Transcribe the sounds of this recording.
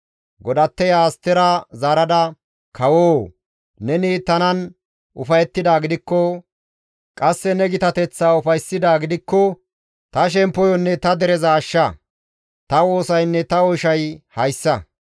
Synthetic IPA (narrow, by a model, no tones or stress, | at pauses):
ɡɔd̪ɐt̪ːɛjaːst̪ɛɾɐzaːɾɐd̪ɐ | kʰɐwoː | nɛnit̪ɐnɐn | ʔʊfɐjɛt̪ːɪd̪aːɡɪd̪ɪkːɔ | kʼɐsːɛnɛɡɪt̪ɐt̪ɛt͡sːaːʊfɐjsːɪd̪aːɡɪd̪ɪkːɔ | t̪ɐʃ̬ɛmpːɔjɔnːɛt̪ɐd̪ɛɾɛzɐːʃːɐ | t̪ɐwo̞ːsɐjnːɛt̪ɐɔʃɐjhɐjsːɐ